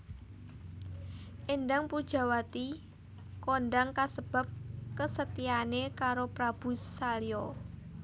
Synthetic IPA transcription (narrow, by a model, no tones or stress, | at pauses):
ʔendaŋpud̥ʒ̥a̤wat̪i | konɖaŋkasəb̥a̤p̚kəsət̪ianekaɾopɾab̥ṳsaljɔ